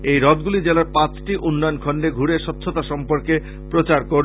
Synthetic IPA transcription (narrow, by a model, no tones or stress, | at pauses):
ejɾɔt̪̚ɡulid͡ʑelaɾpãt͡ɕʈiʔunːɔjonkʰɔɳɖeɡʱuɾeʃɔt̪ːɕʰot̪aʃɔmpoɾke | pɾot͡ɕaɾkoɾ